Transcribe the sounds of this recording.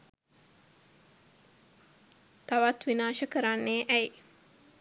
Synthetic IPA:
t̪aʋat̪ʋinaːʃəkəɾanːeːʔæj

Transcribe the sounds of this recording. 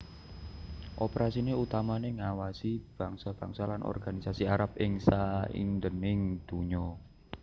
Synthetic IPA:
ʔopeɾasineut̪amaneŋawasib̥a̤ŋsab̥aŋsalanʔɔ̰rɡ̥anisasiaɾap̚ʔɪŋsaḭnd̪ənɪŋd̪̥uɲɔ

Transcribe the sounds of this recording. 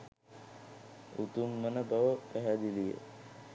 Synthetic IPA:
ut̪umːənəbaʋəpæɦæd̪ilijə̰

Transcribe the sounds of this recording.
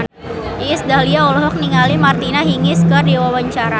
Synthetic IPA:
iːsdaliaɔlɔɦɔk̚niŋalimart̪inaɦiŋɪskərdiwawaɲt͡ʃaɾa

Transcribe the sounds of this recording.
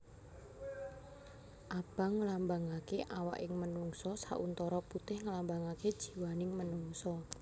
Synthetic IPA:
ʔab̥a̤ŋəlambaŋakeʔawa̰ʔɪŋmənuŋsɔsa̰ʔunt̪ɔɾɔput̪ɪhŋəlambaŋaked̥ʒ̥i̤wanɪŋmənuŋsɔ

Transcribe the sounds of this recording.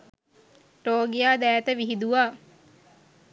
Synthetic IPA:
roːɡijaːd̪æːt̪əʋiɦid̪uʋaː

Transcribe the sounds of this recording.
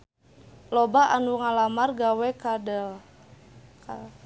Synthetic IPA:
lobaʔanuŋalamarɡawɛkadəl | ka

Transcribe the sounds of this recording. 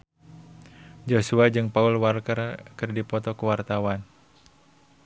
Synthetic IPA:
d͡ʒosuad͡ʒɨŋpaulwalkərkɨrdipɔt̪ɔkuwart̪awan

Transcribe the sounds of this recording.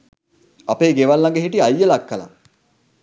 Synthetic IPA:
apeːɡeʋalːaŋɡəɦiʈiajːəlakːəla̰

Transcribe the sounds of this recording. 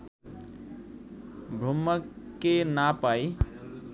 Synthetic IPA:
bʱɾumːəkːenapaj

